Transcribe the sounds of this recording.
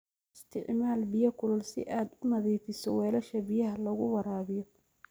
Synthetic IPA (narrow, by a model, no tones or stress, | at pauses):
ɪst̪ʰɪʕmaːlbɪjɐkʰʊlɐlsɪ̰ʔaːd̪ʊmɐðiːfɪsɔ̰wɛːlɐʃɐbɪjɐɦɐlɐɣʊwɐɾaːβɪjɔ